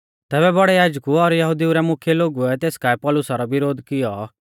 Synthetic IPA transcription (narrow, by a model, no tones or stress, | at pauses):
t̪ɛːbɛbɐɽɛjaːd͡ʒkuɔɾjɐɦud̪iuɾɛmʊkʰjeloːɡuɛt̪eːskaɛpɔlʊsaɾɔbɪɾoːd̪kɪjɔ